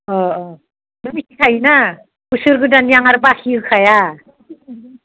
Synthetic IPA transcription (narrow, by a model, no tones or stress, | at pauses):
ɔ | dumikikʰajna | kusɯɾɡɯdanjaŋaɾbakʰiɯkʰaja